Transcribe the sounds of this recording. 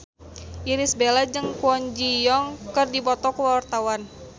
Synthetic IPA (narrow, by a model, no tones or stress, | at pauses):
ʔiɾisbelad͡ʒɨŋkuɔɲd͡ʒijɔŋkɨrdipɔt̪ɔkəwart̪awan